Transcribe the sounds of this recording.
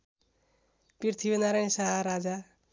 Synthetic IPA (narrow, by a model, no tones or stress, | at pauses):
pirt̪ʰibenaɾañsaɦaɾad͡za